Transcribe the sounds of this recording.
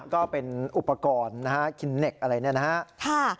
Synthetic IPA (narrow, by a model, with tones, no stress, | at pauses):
kɔː˥˩pe˧nʔu˨˩pːa˧kɔː˧nːa˦˥ka˦˥kʰi˧nːe˨˩k̚ʔa˧ɾa˧jni˥˩ɐna˦˥a˦˥ʔkʰaː˥˩